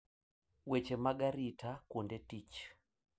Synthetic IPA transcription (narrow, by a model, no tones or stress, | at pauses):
wet͡ʃemaɡaɾitʰakondɛtit͡ʃ